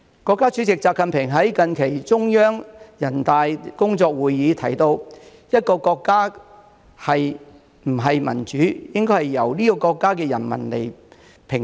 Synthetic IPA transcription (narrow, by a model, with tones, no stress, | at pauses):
kɔː˧kːaː˥t͡ʃʰy˨˥t͡sɪ˨k̚t͡saː˧p̚kɐ˨npʰɪ˨˩ŋɦɐ˨˥jkɐ˨nkʰe˨˩jt͡sʊ˥ŋjœː˥ŋjɐ˨˩nt̪aː˨jkʊ˥ŋt͡sɔː˧k̚wuː˨˧jːiː˨˧˥t̪ʰɐ˨˥jt̪o˧w | jɐ˥t̚kɔː˧kɔː˧kːaː˥ | hɐ˨j | m̩˨˩ɦɐ˨jmɐ̰˨˩nt͡ʃyː˨˥jɪ˥ŋkɔː˥jhɐ˨jːɐ˨˩wliː˥kɔː˧kɔː˧kːaː˥kɛː˧jɐ˨˩nmɐ̰˨˩nlḛ˨˩j | pʰɪ˨˩ŋ